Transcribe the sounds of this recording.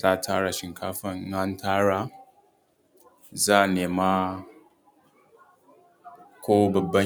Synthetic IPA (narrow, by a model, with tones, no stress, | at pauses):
zaː˦˨tʰaː˦ɽa˨ʃɪ˨ŋkʰaː˦ɸɐ˦ŋ˦ŋa˦ntʰaː˦ɽa˨˦ | zaː˦˨neː˨ma˦ | kʷoː˦bɐ˨bːɐ˦